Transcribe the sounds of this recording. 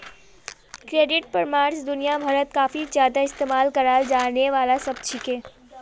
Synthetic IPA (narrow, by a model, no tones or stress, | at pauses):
kɾeɖɪʈ̚pəɾmaɾsd̪ʊnijabʱəɾət̪kaːfʰid͡ʒjaːd̪aɪst̪emalkəɾald͡ʒaneʋalasəb̚t͡ʃʰikẽ